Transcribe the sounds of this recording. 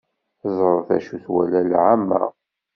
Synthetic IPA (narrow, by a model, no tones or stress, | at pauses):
zˤɾˤəθæ̰ʃuθwælælʕamːæ̰